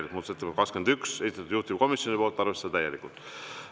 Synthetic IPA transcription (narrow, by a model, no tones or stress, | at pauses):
lik̚muːt̪set̪ːe̥kɑkske̞nd̪ykse̞sit̪ɑt̪ud̪̥uht̪ip̚ko̞misjo̞nipo̞ːlt̪ːˑɑɾrve̞sːed̪ɑt̪æjelikˑult̪